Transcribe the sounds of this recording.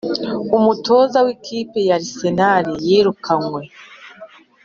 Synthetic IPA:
umuto̞ːzawikʰiːpejaɾise̞naɾijiːɾukʰaŋwe̞

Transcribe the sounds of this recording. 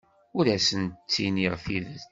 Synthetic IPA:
ʊɾæsənt̪t͡sːiniʁfiðə

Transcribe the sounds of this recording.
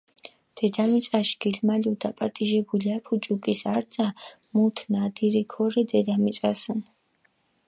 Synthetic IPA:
d̪̥ɛd̪amit͡sʼaʃɡ̥ilmalid̪apʼat̪ʼiʒɛbuliapʰut͡ʃʼukʼisaɾzʼa | mut̪ʰnad̪iɾikʰɔɾid̪ɛd̪amisʼasən

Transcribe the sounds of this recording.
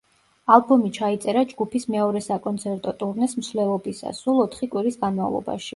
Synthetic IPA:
alˠbɔmit͡ʃʰait̪sʼɛɾad͡ʒɡupʰismɛɔɾɛsakʼɔnt̪sʰɛɾt̪ʼɔt̪ʼuɾnɛsmsvlɛlˠɔbisa̰sːulˠɔt̪ʰχikʼwiɾisɡanmavlˠɔ̰ba̰ʃi̥

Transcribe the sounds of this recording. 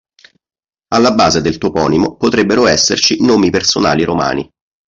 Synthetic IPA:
alːabːaːzed̪elt̪opɔ̰ːnimopot̪ɾebːeɾoɛsːert͡ʃinoːmipersona̰ːliɾoma̰ːni

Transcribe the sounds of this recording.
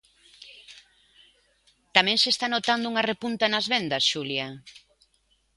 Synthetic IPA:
t̪amɛ̃ŋsest̪anot̪and̪ʊuŋɐrepunt̪anɐzβend̪ɐsʃuljɐ

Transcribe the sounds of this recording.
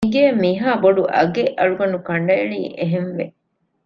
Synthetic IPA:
ɡeːmiɦaːboɖuʔɐ̰ɡeʔɐɭuɡɐnukɐɳɖɐeɭḭːʔeɦenʋe

